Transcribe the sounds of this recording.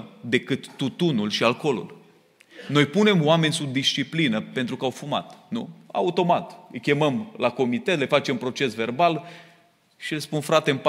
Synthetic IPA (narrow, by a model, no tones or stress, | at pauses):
d̪e̞kɨt̪ːut̪unulʃialko̞lṵl | no̞jpune̞mwame̞nʲsub̚d̪ist͡ʃiplinəpe̞nt̪ɾukəawfuma̰t̪nṵa̰ut̪o̞mat̪ɨjkʲe̞məmlako̞mit̪et̪lefat͡ʃe̞mpɾo̞t͡ʃe̞sve̞rbal | ʃilespunfɾat̪e̞mp